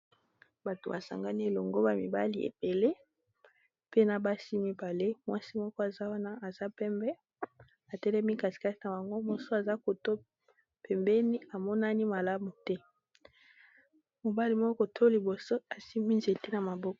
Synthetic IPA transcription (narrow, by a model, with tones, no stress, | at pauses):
ba˨to˨ba˨sa̰˨ŋɡa˦ni˦e˨lo˨ŋɡo˦ba˨mḭ˨ba˦li˦ḛ˨be˨le˦ | pe˦na˨ba˦si˦mi˦ba˨le˦mwa˦si˦mɔ˦kɔ˦a˨za˦wa˦na˦a˨za˦pɛ˦mbɛ˦ | a˨tɛ˦lɛ˦mi˦ka˨si̥˨ka˦ti˦na˨ba˨ŋɡo˦mo˨so˦a˨za˦ko˨to˦ | pɛ˨mbɛ˦ni˦a˨mɔ˦na˦ni˦ma˨la˦mu˨tɛ˦ | mo˨ba˦li˨mɔ˦kɔ˦kɔ˨tʰo˦li˨bo˨so˦a˨si˦mi˦nze˨te˦na˨ma˨bɔ˦kɔ˨